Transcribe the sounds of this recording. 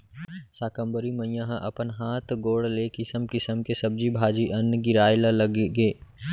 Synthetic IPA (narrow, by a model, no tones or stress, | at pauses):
saːkə̃mbəɾimə̃ijãɦʔɐ̰pənɦaːt̪ɡoːɽleːkɪsəmkɪsəmkɪsɐb̚d͡ʒibʱaːd͡ʒiʔɐnɡɪɾaːɪlalɐɡeɡeː